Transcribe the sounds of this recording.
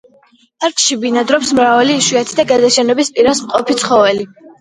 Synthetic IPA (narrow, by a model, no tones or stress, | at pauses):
aɾkʼʃibinad̪ɾɔpsmɾavaliːʃwiat̪ʰi̥d̪aɡazaʃɛnɛbispʼiɾasmqʼɔpʰit̪sʰχɔvɛli